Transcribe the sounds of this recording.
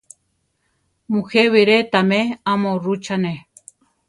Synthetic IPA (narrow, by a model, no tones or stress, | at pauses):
muheβiɾet̪ameamõrut͡ʃane